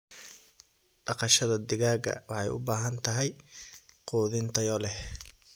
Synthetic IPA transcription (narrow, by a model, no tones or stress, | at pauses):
ɖ̥ɑqɑʃɐðɐd̪ɪɣaːɡɐ̰wɑħɑjʊ̰baːɦɐnt̪ʰɐɦɛj | quːðɪnt̪ʰɐjɔlɛh